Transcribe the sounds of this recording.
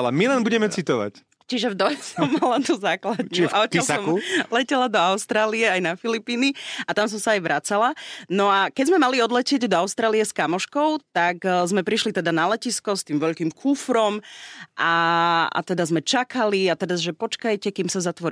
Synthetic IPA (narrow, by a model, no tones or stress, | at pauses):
la̰milɛnbuɟɛmɛt͡sit̪ɔʋa̰c | t͡ʃiʒɛvd̪ɔjɛsɔmːalat̪uzaːklad̪ɲt͡ʃuiaɔɛlsɔmkulɛcɛlad̪ɔaʊst̪ɾaːliɛajnafilipiːniat̪ams̬ɔmsaːjʋɾʔat͡salanɔakɛɟzmɛmaliɔd̪lɛcɪɛɟd̪ɔaʊst̪ɾaːlijɛskamɔʃkɔʊt̪akzmɛpɾiʃlit̪ɛd̪analɛciskɔst̪iːmʋɛʎkimkʰufɾɔmʔaa̰t̪ɛd̪azmɛt͡ʃakaliat̪ɛɾazʒɛpɔt͡ʃkajcɛkiːmsazat̪ʋɔɾ